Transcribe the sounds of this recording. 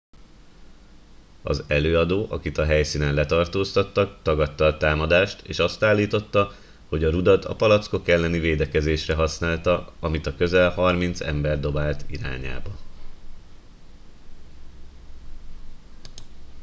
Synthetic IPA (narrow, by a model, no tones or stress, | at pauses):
ɒ̰zɛløːɒd̪oːʔɒkit̪ɒɦɛjsiːnɛnlɛt̪ɒrt̪oːst̪ɒt̪ːɒkt̪ɒɡɒt̪ːɒːt̪aːmɒd̪aːʃt̪ḛːʃɒst̪aːlːiːt̪o̞t̪ːɒ | ho̞ɟɒɾud̪ɒt̪ɒ̰pɒlɒt̪sko̞kɛlːɛniveːd̪ɛkɛzeːʃrɛɦɒsnaːlt̪ɒɒmit̪ɒkø̞zɛlhɒrmint̪sɛ̰mbɛrd̪o̞baːlt̪ḭɾa̰ːɲa̰ːbɒ